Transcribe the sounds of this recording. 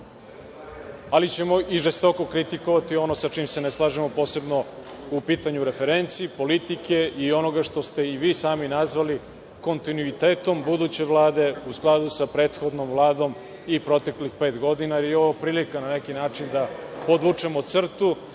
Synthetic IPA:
alit͡ɕe̞mo̞ʔiʐest̪o̞ko̞kɾit̪iko̞ʋat̪io̞nosat͡ʂiːmse̞neslˠaːʒemo̞po̞ːse̞bno̞ | upiːt̪aɲuɾe̞feɾent̪siːpo̞lit̪ike̞io̞no̞ɡaʂt̪o̞st̪e̞iʋiːsaːminazʋali | ko̞nt̪inuit̪e̞ːt̪o̞mbud̪ut͡ɕe̞ʋlˠaːd̪e̞usklˠad̪usapɾe̞ːt̪xo̞d̪no̞mvlˠaːd̪o̞m | ipɾo̞t̪e̞klixpe̞ːt̪ɡo̞d̪inaioʋopɾiːlikananekinaːt͡ʂind̪apod̪ʋut͡ʂemot̪sr̩t̪u

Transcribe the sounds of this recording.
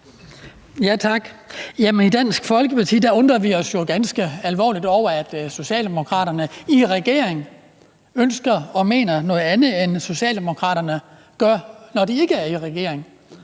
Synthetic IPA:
jæt͡sʰɑ̈ɡ̥jæmenid̥æn̰sɡ̥fɒ̽lɡ̥əpʰɑ̈t͡sʰḭːd̥æɔ̽nd̥ʁɐʋiɒ̽sjo̝ɡ̥ænsɡ̥əælʋɒ̰ːlid̥ɒʊ̰ɐæd̥so̝ɕɛ̰ːlde̝mo̝kʰʁɑ̰̈ːɾɐnəiʁɛɡ̥e̝ɐ̰eŋ | ønsɡ̥ɐɒ̽me̝̰ːnɐnɔ̽ːð̩ˠænð̩ˠenso̝ɕɛ̰ːld̥e̝mo̝kʰʁɑ̰̈ːɾɐnə | ɡ̥ɶɐnɒd̥ie̝ɡ̥əæɐiʁɛɡ̥e̝̰ɐeŋ

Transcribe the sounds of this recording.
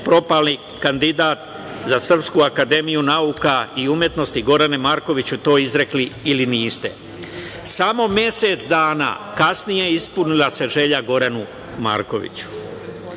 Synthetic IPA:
pɾo̞palˠni | kand̪id̪aːt̪ | zasr̩pskuakad̪e̞mijunaukaiumje̞t̪no̞st̪iɡo̞ɾane̞maːɾko̞ʋit͡ɕut̪o̞ːizɾe̞kliːliniːst̪e̞̰ | samo̞mje̞se̞t̪sd̪aːna̰ːkasnije̞ispunilase̞ʒe̞ʎaɡo̞ɾanu | ma̰ːɾko̞̰ʋḭt͡ɕu̥

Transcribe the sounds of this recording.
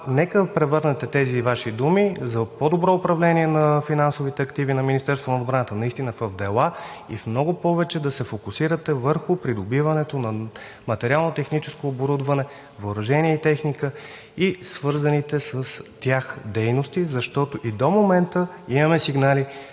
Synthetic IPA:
nɛkəpɾɛvɤɾnɛt̪ɛt̪ɛzivaʃid̪umizɐpod̪obɾɔʊpɾɐvlɛniɛnɐfinansovit̪ɛɐkt̪ivinɐminist̪ɛɾst̪vonɐod̪bɾanət̪ənɐist̪inəfəvd̪ɛlˠa | ḭfmnɔɡʊpɔvɛt͡ʃɛd̪ɐsɛfokʊsiɾət̪ɛvəɾxʊpɾid̪obivɐnɛt̪onɐ | mɐt̪ɛɾʲialˠnot̪ɛxnit͡ʃɛskoːboɾud̪vɐnɛ | voːɾʊʒɛniɛit̪ɛxnikə | isvɤɾzənit̪ɛsəst̪ʲjaxd̪ɛjnost̪izɐʃt̪ɔt̪oʔid̪omomɛnt̪ə | imɐmɛsiɡnali

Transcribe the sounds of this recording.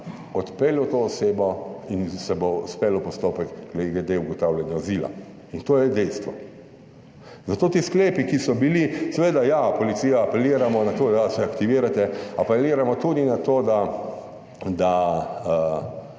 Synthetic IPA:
ɔt̪pelɔt̪oːseːbɔinsɛbouspeːlɔpɔst̪oːpɛkɡleɡ̪ed̪euɡɔt̪awlʲjanjaɔzila̰ | int̪oːjɛd̪ɛjst̪ʋɔ | zat̪oːt̪iːskleːpikisɔbilisɛʋeːd̪ajapɔlit̪sijaːpɛliːɾamɔnat̪od̪asɛakt̪iʋiːɾat̪ɛapɛliːɾamɔt̪ud̪inat̪oːd̪a | d̪aə

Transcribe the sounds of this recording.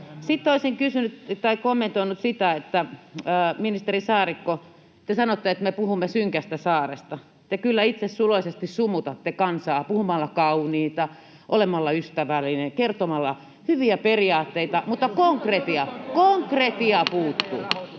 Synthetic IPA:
sit̪ːoisiŋkysynyt̪t̪ɑikomːent̪oinut̪sit̪æet̪ːæː | minist̪erisɑːrikːo | t̪esɑnot̪ːeet̪mepuhumːesyŋkæst̪æsɑːrest̪ɑ | t̪ekylːæit̪sessuloisest̪issumut̪ɑt̪ːekɑnsɑːpuhumɑlːɑkɑuniːt̪ɑ | ʔolemɑlːɑyst̪æʋælːinekert̪omɑlːɑ | hyʋiæperiɑːt̪ːeit̪ɑmut̪ːɑkoŋkret̪iɑkoŋkret̪iɑpuːt̪ːṵː

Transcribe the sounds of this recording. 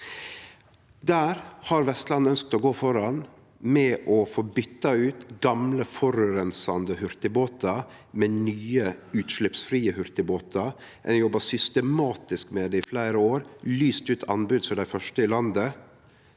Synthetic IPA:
d̪æːɾhɑɾʋɛst̪lɑnːœnsk̚t̪oːɡoːfɔɾɑn | mɛʔɔfoːbʏt̪ːɑʉːt̪ɡɑmləfɔɾøɾɛnsɑnd̪əhʉɾt̪ɪboːt̪ɑ | mɛnyːəʉːt̪ʃlɪpsfɾiːəhʉɾt̪ɪboːt̪ʰɑ | ʔɛ̰njɔbɑsʏst̪əmɑːt̪ɪskmeːd̪eɪflæɪɾəoːɾlyːst̪ʉːt̪ʰɑnbʉd̪sɔɖæɪfœʂʈəɪlɑnd̪ə

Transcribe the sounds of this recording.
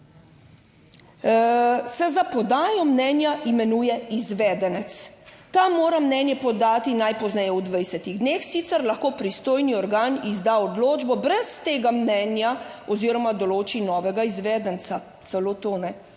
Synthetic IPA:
sɛzapɔd̪aːjɔmnɛːnjaʔimɛnuːjɛizʋɛːd̪ɛnɛt̪st̪amːoːɾamnɛnjɛpɔd̪aːt̪inajpɔznɛjɛud̪ʋɛjsɛt̪iɣd̪neːxsit̪sɛɾlaxkoːpɾist̪oːjniɔɾɡaːnizd̪aɔd̪loːd͡ʒbɔbɾɛst̪eːɡamnɛnjaɔziːɾɔmad̪ɔloːt͡ʃinɔːʋɛɡaizʋɛːd̪ənt̪sa | t̪sɛloːt̪oːnɛ

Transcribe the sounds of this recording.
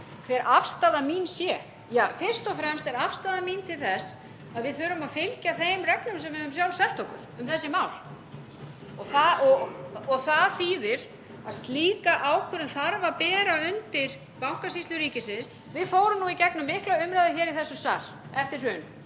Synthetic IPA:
θɛɾʔafst̪aːðamiːnsjɛ | jaːfɪr̥st̪ɔfɾɛmst̪ɛɾafst̪aːðamiːnt̪ʰɪlθɛs | aðvɪðθœɾʏmaðfɪlcaθejmrɛknʏmsɛmvɪʏmsjawlsɛl̥t̪owkʏ̰mʏmθɛsːɪmaːwl | ɔɣθaɔɔɣθaðθiːðɪɾ | aðst̪liːkaʔaːwkʰœɾʏnθaɾvapɛːɾaʏnt̪ɪɾ̥ | pawŋ̥kasisʏɾiːcɪsɪns | vɪðfoːwɾʏmnuicɛknʏmːɪhklaʏmɾaðʏɾçɛːɾiθɛsːʏsa̰l̥ | ɛft̪ɪr̥ʏːn

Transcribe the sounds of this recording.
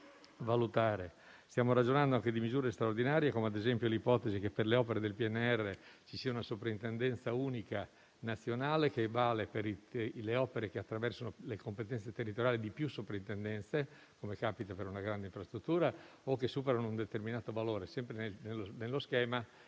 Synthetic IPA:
valut̪aːɾe | st̪jaːmoɾad͡ʒonand̪oaŋk̟ed̪imizuːɾest̪ɾaord̪inaːɾjekomead̪ezɛmpjolipɔt̪ezikepːerleɔːpeɾed̪elpiɛnːeɛrːet͡ʃisiaunasopɾaint̪end̪ɛnt̪sauːnika | nat̪sːjonaːlek̟evaːlepeɾileɔːpeɾekeat̪ːɾavɛrsonolekompet̪ɛnt̪set̪erːit̪oɾjaːlid̪ipjusːopɾaint̪end̪ɛnt̪se | komekaːpit̪apeɾunaɡɾand̪eiɱfɾast̪ɾut̪ːuːɾa | okːesːuːpeɾanound̪et̪erminaːt̪ovaloːɾesɛmpɾenenelonelːoskɛːma

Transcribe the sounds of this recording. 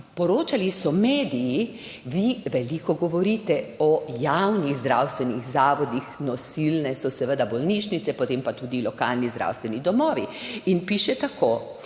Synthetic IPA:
pɔɾoːt͡ʃalisɔmeːd̪iji | ʋiʋɛlikɔɡɔʋɔɾiːt̪ɛɔjawniɣzd̪ɾawst̪ʋɛniɣzaːʋɔd̪ixnɔsilnɛsɔsɛʋəd̪abɔlniʃnit̪sɛpɔt̪empat̪ud̪ilɔkaːlnizd̪ɾʔa̰wst̪ʋɛnid̪ɔmɔːʋiinpiːʃɛt̪akoː

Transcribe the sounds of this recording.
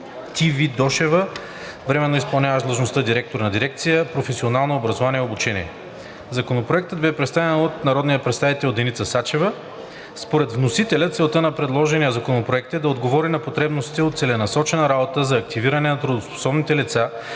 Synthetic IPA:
t̪ivid̪ɔʃɛvə | vɾɛmɛnːoispɐlˠnʲavəʃd̪lˠəʒnost̪əd̪iɾɛk̚t̪oɾnɐd̪iɾɛk̚t̪sijəpɾofɛsionalˠnoːbɾɐzovaniɛobut͡ʃɛnʲḭɛ | zɐkonopɾoɛk̚t̪əd̪̚bɛpɾɛt̪st̪avɛnot̪nɐɾɔd̪nijəpɾɛt̪st̪avit̪ɛlod̪ɛnit̪səsat͡ʃɛvə | spoɾɛt̪vnosit̪ɛlʲət̪sɛlˠt̪ənɐpɾɛd̪lˠɔʒɛnijəzɐkonopɾoɛk̚t̪ɛd̪ɐod̪ɡovɔɾinɐpot̪ɾɛbnost̪it̪ɛot̪sɛlɛnɐsɔt͡ʃɛnɐɾabot̪əzɐːkt̪iviɾɐnɛnɐt̪ɾud̪ospo̥sɔbnit̪ɛlit̪sa

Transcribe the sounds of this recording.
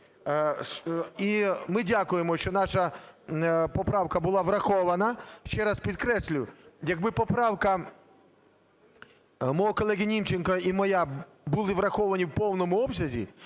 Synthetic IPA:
imɪdʲakʊjemɔʃt͡ʃɔnɑʃɐ | pɔpɾɑwkɐbʊlˠɑʋɾɐxɔʋɐnɐʃt͡ʃɛɾɐspʲid̪̚kɾɛsʲlʲʊjɐɡbɪpɔpɾɑwkɐ | mɔɦɔkɔlˠɛɣʲinʲimt͡ʃenkɐimɔja | bʊlˠɪʋɾɐxɔʋɐnʲiwpɔwnɔmʊɔbsʲɐzʲḭ

